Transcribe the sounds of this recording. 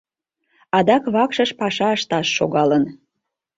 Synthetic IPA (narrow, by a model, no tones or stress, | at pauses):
ɑd̪ɑkβɑkʃəʃpɑʃɑəʃt̪ɑʃːoɣɑlən